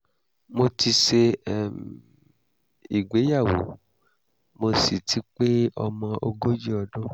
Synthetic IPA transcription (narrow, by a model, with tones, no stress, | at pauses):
mo˧ti˧ʃe˧˨ | i˨ɡ͡be˨˦ja˦˨wo̰˨˦ | mo˧si˨tʰi˨˦k͡pe˦ɔ˧mɔ̃˧ʔo˧ɡo˦d͡ʒi˦ɔ˧dõ˦